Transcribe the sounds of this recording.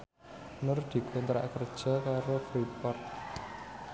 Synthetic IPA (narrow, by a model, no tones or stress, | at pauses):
nʊrd̪̥i̤kʊnt̪ɾa̰ʔkərd̥ʒ̥ɔ̤kaɾofɾipɔrt̪̚